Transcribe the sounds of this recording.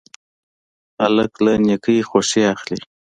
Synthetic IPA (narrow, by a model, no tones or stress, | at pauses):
aləklanekəjxoʃiaxli